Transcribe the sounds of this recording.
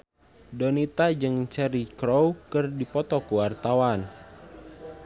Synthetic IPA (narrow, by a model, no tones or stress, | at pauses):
dɔnit̪ad͡ʒɨŋt͡ʃɛɾikɾɔwkɨrdipɔt̪ɔkuwart̪awan